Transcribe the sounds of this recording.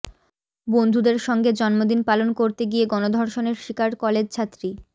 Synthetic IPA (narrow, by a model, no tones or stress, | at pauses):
bond̪ʱud̪eɾʃɔŋɡed͡ʑɔnmod̪inpalonkoɾt̪eɡieɡɔnod̪ʱɔɾʃoneɾʃikaɾkɔled͡ʑt͡ɕʰat̪ːɾi